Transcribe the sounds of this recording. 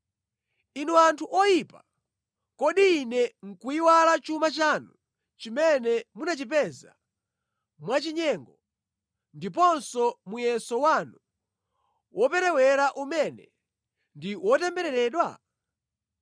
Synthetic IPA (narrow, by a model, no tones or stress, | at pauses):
inuantʰuʔɔjipa | kɔɗiːnɛŋ̩kuiwalat͡ʃumat͡ʃaːnu | t͡ʃimɛnɛmunat͡ʃipɛza̰ | mwat͡ʃiɲɛːŋɡɔ | ndip̬ɔnsɔmujɛsɔwanu | wʔɔpɛɾɛwɛɾaʔumɛnɛ | ndiwɔtɛmbɛɾɛɾɛːɗwa̰